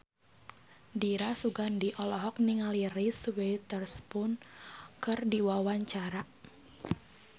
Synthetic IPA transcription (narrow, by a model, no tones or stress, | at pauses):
diɾasuɡandiʔɔlɔɦɔk̚niŋaliriswet̪ərspʊnkɨrdiwawaɲt͡ʃaɾa